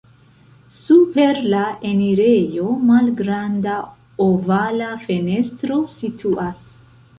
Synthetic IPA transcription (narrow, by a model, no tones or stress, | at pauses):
supe̞ɾlaʔeniɾe̞jo̞malɡɾanda | ovalafe̞ne̞stɾo̞sitʰuʔas